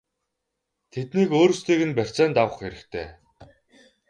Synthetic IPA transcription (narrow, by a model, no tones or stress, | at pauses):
t̪ʰet̪niːkoːɾɵ̆st̪ʰiːɣɘ̆npær̥ʲt͡sæːnt̪awə̆χxeɾɘ̆kt̪ʰḛː